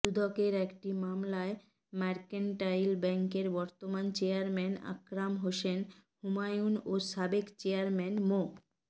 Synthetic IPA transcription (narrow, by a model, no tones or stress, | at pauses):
d͡ʒud̪ʱokeɾɛkʈimamlae | maɾkeɳʈajlbɛŋkeɾbɔɾt̪omant͡ɕeaɾmɛna̰kɾamɦoʃenhumajunosabekt͡ɕeaɾmɛnmo